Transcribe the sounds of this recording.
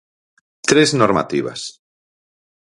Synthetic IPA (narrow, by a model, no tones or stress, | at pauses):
t̪ɾeznoɾma̰t̪iβa̰s